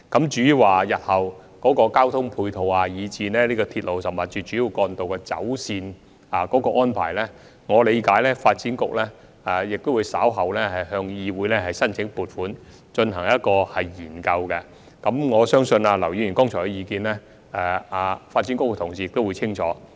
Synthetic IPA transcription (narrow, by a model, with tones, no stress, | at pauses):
kɐ˨˥mt͡ʃyː˨˥ji˨waː˨˩jɐ˨t̚hɐ˨w | kɔː˨˥kɔː˧kaː˥wt̪ʰʊ˥ŋpʰuː˧jt̪ʰo˨wa˧jiː˨˧t͡siː˧nɛː˥liː˥kɔː˧t̪ʰi˧t̚lo˨wsɐ˨˩mːɐ˨˩t͡ʃyː˨t͡ʃyː˨˥ji˨˧wkɔː˧nt̪o˨wkɛː˧t͡sɐ̰˨˥wsiː˧n | aː˨kɔː˨˥kɔː˧ŋɔː˥npʰa̰ː˨˩jlɛː˥ | ŋɔː˨˧le˨˧jkaː˨˥jlɛː˥faː˧t̚t͡siː˨˥nkʊ˥k̚lɛ˥ | aː˨jɪ˨k̚t̪o˥wu˨˧jsaː˨˥wɦɐ˨wlɛ˥hɐ˨jhœː˧ŋjiː˧wuː˨˥jlɛː˥hɐ˨jsɐ˥nt͡sʰɪ˨˥ŋpuː˨t̚fuː˨˥n | t͡ʃɵ˧nɦɐ˨˩ŋjɐ˥t̚kɔː˧hɐ˨jjiː˨˩nkɐ˧wkɛ˧ | kɐ˨˥mŋɔː˨˧sœː˥ŋsɵ˧na˧lɐ˨˩wjiː˧˩y˨˩nkɔː˥ŋt͡ʃʰɔː˨˩kɛ˧jiː˨˧kiː˧nlɛ˥ | ɛ˨˧aː˧faː˧t̚t͡siː˨˥nkʊ˥k̚t̪ʰʊ˨˩ŋsi˨jɪ˨k̚t̪o˥wuː˨˧jt͡sʰɪ˥ŋt͡ʃʰɔ̰ː˨˥